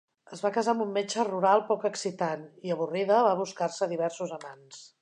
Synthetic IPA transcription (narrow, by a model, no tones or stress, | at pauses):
əzβakəzaəmumːet͡ʃəruɾalˠpɔkəksit̪aniəβ̞uriðəβaβ̞uskarsəðiβɛɾsuzəmans